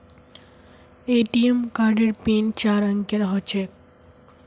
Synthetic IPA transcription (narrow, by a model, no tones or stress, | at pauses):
eʈiemkaɾɖeɾpint͡ɕaɾəŋkjeɾɦot͡ɕʰe